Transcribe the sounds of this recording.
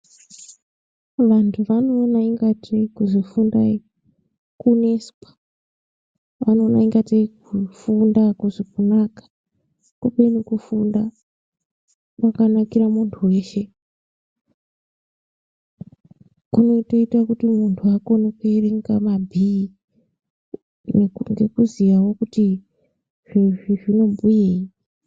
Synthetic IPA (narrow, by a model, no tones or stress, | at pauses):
ʋantʰuʋano̞ːnaiŋɡateikuʐifundai | kunespḁ | ʋano̞ːnaiŋɡateikufundakuʐikunakḁ | kupenekufunda | wakanakiɾamuntʰuwe̞ːʃe̞ | kuno̞to̞itwakutimuntʰuako̞nokereŋɡamabʱii | nŋɡe̞kuzijawo̞kuti | ʐ̥iiʐino̞mbujei